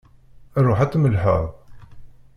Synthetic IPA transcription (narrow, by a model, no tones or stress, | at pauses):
rˤːʊħat̪ːˤməlħə̰ʁ